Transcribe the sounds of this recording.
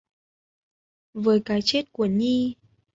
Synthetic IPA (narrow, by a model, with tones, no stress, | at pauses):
vəː˨˦jkaː˨˦jt͡ɕe˦˥t̚ku˧˩əɲi˧